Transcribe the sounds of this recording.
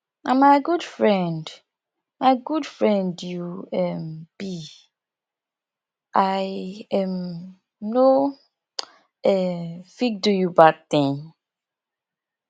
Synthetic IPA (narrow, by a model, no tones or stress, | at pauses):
amaɪɡudfɹɛ̃nd | maɪɡudfɹɛ̃ndjuɛmb̥i | ʔajɛm | no | ɛfik̚dujubad̚t̪ĩn